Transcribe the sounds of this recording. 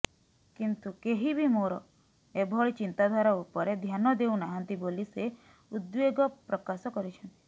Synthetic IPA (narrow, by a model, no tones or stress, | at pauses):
kint̪ukeɦibʱimoɾɔ | ebʱɔɭit͡ʃint̪ad̪ʱwaɾaupɔɾed̪ʱjanɔd̪eunaɦɔnt̪ibolise | ud̪beɡɔpɾɔkasɔkɔɾit͡ʃʰɔnt̪i̥